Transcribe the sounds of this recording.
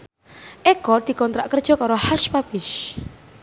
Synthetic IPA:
ʔɛkɔrd̪̥i̤kɔnt̪ɾaʔkərd̥ʒ̥ɔ̤kaɾɔhaʃpapɪʃ

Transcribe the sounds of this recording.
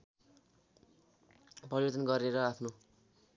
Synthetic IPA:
pʌɾibet̪ʌnɡʌɾeɾʌapʰno

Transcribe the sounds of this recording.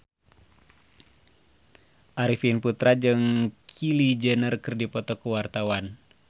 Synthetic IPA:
ʔaɾifinput̪ɾad͡ʒɨŋkʰilid͡ʒənərkɨrdipɔt̪ɔkuwart̪awan

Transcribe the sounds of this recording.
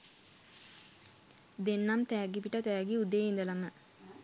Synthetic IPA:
d̪enːamt̪ɛːɡipiʈət̪æːɡiud̪eːind̪əlamə

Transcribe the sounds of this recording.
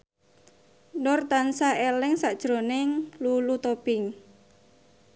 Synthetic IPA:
nɔrt̪ansaelɪŋsaʔd̥ʒ̥ɾo̤nɪŋlulut̪opɪŋ

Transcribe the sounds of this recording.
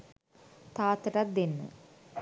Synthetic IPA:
t̪aːt̪əʈat̪̚d̪enːə̰

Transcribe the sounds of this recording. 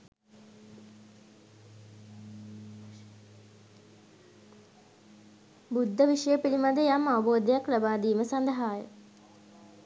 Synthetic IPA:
bud̪ʱːəʋiʂəjəpilimad̪əjamːaʋɐboːd̪əjaklabaːd̪iːməsand̪ɐɦaːjə̰

